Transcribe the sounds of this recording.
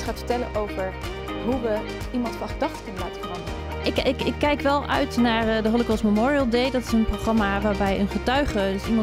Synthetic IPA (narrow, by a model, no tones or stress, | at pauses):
tχaːtfə̥ɹtɛlə̰nʔowvəɹ | ɦuʋə | imɑntfɑnχədɑχtə̥kɵnəlaːtəfrɑma | əɪkɪkɪkːɛjkʋɛlˠœ̰ɥtnaːɹdəɦɔləkɔlˠsməmɔːɹiəlˠdejdɑtɪsənproχrɑmaʋaːɹbɛjənχətœɥχədsimɑ